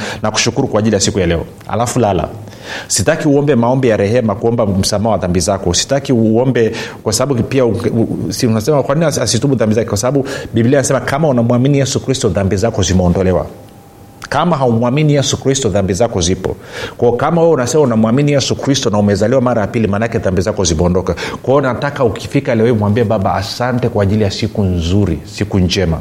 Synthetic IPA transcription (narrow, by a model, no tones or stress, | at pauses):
naku̥ʃukuɾukwaːʄilijasikujalɛɔ̰ | ha̰lafulala̰ | sitakiuɔmbɛmaɔmbɛjaɾɛhɛmakuɔmbam̩samaːwaðambizakɔusi̥takiuɔmbɛkwasaɓaɓupiau | nasɛmakwaniniasituɓuðambizakɛkwasaɓaɓuɓibilianasɛmakamaunamuwaminijɛsukɾistɔðambizakɔzimɛɔndɔlɛwa̰ | kamaɦaumwaminijɛsukɾistɔðambizakɔzipɔ̰kwaɔkamawɛɛunasɛmaunamwaminijɛsukɾistɔnaumɛzaliwamaɾajapilimanakɛðambizakɔzimɛɔndɔkakwajɔnatakaukifikalɛɔimwambiɛɓaɓaa̰santɛkwaːʄilijasikunzuɾḭsikuɲd͡ʒɛma̰